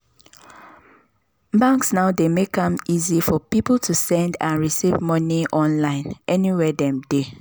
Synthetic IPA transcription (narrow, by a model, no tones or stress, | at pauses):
bãŋksnaʊdemekãmizifɔpipl̩tʰusɛ̃ndãnɹisivmɔniʔɔ̃nlãɪ̃nʔɛniwɛdɛ̃mde